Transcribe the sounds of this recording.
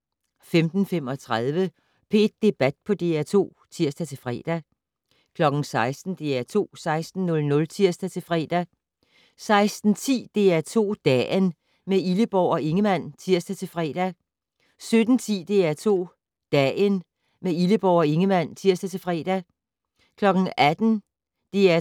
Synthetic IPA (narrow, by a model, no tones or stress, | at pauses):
femd̥n̩fem̰ɒ̽t͡sʰʁað̞ˠʋə | pʰe̝d̥̚ːe̝b̥æd̥̚pʰɒ̽d̥e̝̰ːæt͡sʰo̝̰ː | t͡sʰiɐ̰sd̥æt͡sʰe̝lfʁɛ̰ːd̥æ | kʰlɒ̽ɡ̥n̩sɑ̈ɪsd̥n̩d̥e̝æt͡sʰo̝̰ːsɑ̈ɪsd̥n̩ːɔ̽lnɔ̽lt͡sʰiɐ̰sd̥æt͡sʰe̝lfʁɛ̰ːd̥æ | sɑ̈ɪsd̥n̩t͡sʰḭːd̥e̝̰ːæt͡sʰo̝̰ːd̥ɛ̰n | meiləb̥ɒʊ̰ɒ̽ʔe̝ŋəmæn̰t͡sʰiɐ̰sd̥æt͡sʰe̝lfʁɛ̰ːd̥æ | sød̥n̩t͡sʰḭːd̥e̝æt͡sʰo̝̰ː | d̥ɛn | meiləb̥ɒʊɒ̽e̝ŋəmæn̰t͡sʰiɐ̰sd̥æt͡sʰe̝fʁɛ̰ːd̥æ | kʰlɒ̽ɡ̥ŋ̩ʔæd̥n̩ | d̥e̝æ